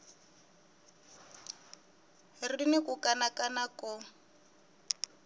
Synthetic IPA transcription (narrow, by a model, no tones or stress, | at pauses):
riinɪkʊkanakanakɔ